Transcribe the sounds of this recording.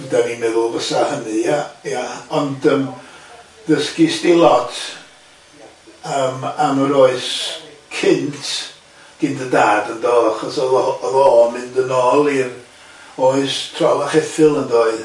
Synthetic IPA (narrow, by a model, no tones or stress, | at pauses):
danimɛðʊlˠvəsahənɨjajaɔndəm | dəskisdilˠɔtʰ | əmaməɾoɨskʰɪntʰ | ɡ̥ɪndədaːdəndɔaχɔsɔɔɔðɔːmɪndənɔːlˠir | oɨstʰrɔlaχɛθɨlˠəndoːɨ